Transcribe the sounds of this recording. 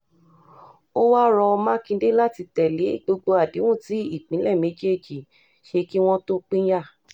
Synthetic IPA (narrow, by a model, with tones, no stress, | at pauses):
o˦wa˦ɾɔ˧mã˦kĩ˧de˦la˦ti˧tɛ˨le˨˦ɡ͡bo˧ɡ͡bo˧a˨di˨˦wũ˦˨ti˨˦i˦˨k͡pĩ˨˦lɛ˦˨me˨˦d͡ʒe˦˨d͡ʒi˨ | ʃe˧ki˦w̃ɔ̃˦to˦k͡pĩ˦ja˦˨